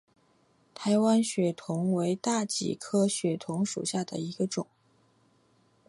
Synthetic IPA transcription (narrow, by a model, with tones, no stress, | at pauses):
t̪ʰa˧˥ɪwa˥nɕɥɛ˨˥t̪ʰʊ˧˥ŋwe˧˥ɪt̪a˥˩t͡ɕḭ˨˩kʰɤ˥ɕɥɛ˧˨˩t̪ʰʊ˧˥ŋʂṵ˨˩ɕja˥˩d̪ə̰˩i˧˥ɡə˧ʈ͡ʂʊ˨˩˦ŋ